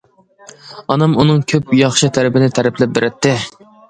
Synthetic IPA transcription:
ɑnɑmunɨŋkʲʰøpjɑχʃɨt̪ʰæɾɪpɪnɪt̪ʰæɾɪpʰlɛp̚bɪɾɪt̪ʰːɪ

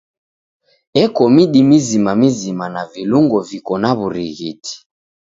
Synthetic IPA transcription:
ɛkɔmiɗimizimamizimanaviluŋɡɔvikɔnaβuɾḭɣitʰi̥

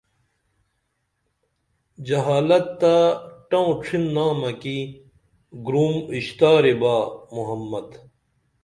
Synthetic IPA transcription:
d͡ʑɐɦaːlɐt̪ːaʈɐõʈ͡ʂʰinːaːmɐki | ɡɾuːmiɕt̪aːɾebaːmuɦɐmːɐd̪

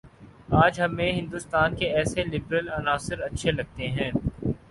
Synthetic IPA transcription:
aːd͡ʒɦɐmːẽɦɪ̃nd̪ust̪aːnkeɛːselɪbɾəlɐnaːsɪɾɐtːʃʰelɐɡ̚t̪eɦɛ̃ː

